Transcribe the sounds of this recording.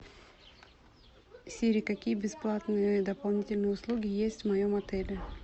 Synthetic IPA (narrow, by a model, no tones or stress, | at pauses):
sʲeɾʲɪkɐkʲijəbʲɪsplˠat̪nɨjəd̪əpɐlˠnʲitʲɪlʲnɨjəʊslˠuɡʲɪjesʲtʲvmɐjomɐt̪ɛlʲɪ